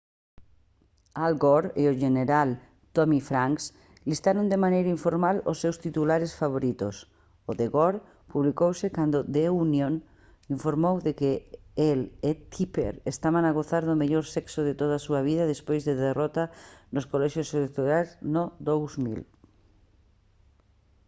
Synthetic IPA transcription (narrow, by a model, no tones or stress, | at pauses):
alɡoɾeoʒeneɾal | t̪omifɾaŋks | list̪aɾond̪emanejɾaiɱfoɾmalo̰sːewst̪it̪ulaɾesfaβoɾit̪o̰s | oðeɣoɾ | puβlikowsɪkand̪ʊd̪eunjon | iɱfoɾmowðekɪelet̪ʰipḛɾest̪aβanaɣoθaɾðʊmeʎoɾsɛksoðet̪oð̞asuɐβiðɐðespojzðeðerɔt̪anʊskolɛʃjoselek̚t̪oɾajznod̪owzmḭl